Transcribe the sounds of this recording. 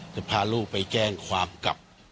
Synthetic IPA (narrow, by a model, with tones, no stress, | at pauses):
t̪ɛ˧˩pʰaː˧luː˥˩k̚pa˨jkɛː˥˩ŋkʰwaː˧mka̰˨˩p̚